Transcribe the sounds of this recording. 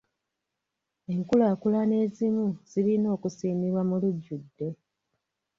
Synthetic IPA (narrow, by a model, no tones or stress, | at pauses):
e̞ŋkulaːkulane̞ːzimuz̥ilino̞ːkusiːmiβwamuluɟːudːe̞